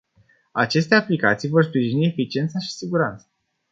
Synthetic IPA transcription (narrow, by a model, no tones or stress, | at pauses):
at͡ʃe̞st̪e̞aplikat̪sijvo̞rspɾiʒinie̞fit͡ʃie̞nt̪səʃi̥siɡuɾant̪sə